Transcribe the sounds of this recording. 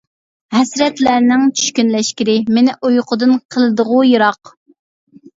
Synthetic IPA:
hɛsɾɛt̪læɾnɪŋt͡ʃʰy̥ʃkʲynlɛʃkʲiɾɪmɪnɪʔujqʰʊd̪ɨnqʰəlˠɨd̪əʁʊjɨɾɑq

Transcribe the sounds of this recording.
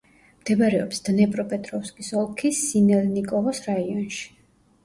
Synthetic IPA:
md̪̥ɛbaɾɛɔpsd̪̥nɛpʼɾɔpʼɛt̪ʼɾɔfskʼisɔlˠkʰisinɛlnikʼɔlˠɔsɾaiɔnʃi̥

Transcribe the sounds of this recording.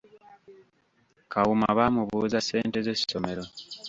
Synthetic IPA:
kawuma̰βaːmuβuːzase̞ːnte̞ze̞si̥so̞me̞ɾo̞

